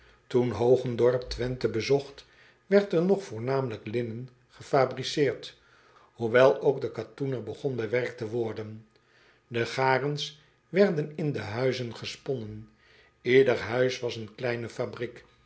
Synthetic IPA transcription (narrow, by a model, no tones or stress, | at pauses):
tunɦowχəndɔɹptʋɛntəbəzɔχt | ʋɛɹtəɹnɔχfʊːɹnaːmələklɪnən | χəfaːbrisɪːɹt | huʋɛlˠoʊɡdəkatunəɹbəχɔnbɛʋɛɹk̚təʋɔɹdən | dəχaːrəns | ʋɛɹdənɪndəɦœɥzənχəspɔnən | ɪdəɹɦœɥsʋɑsənklɛjnəfabrik